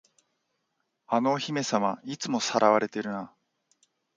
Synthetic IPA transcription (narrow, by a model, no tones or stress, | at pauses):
ano̞çime̞samait͡sɨmo̞saɾaβaɾe̞t̪e̞ɾɯ̟na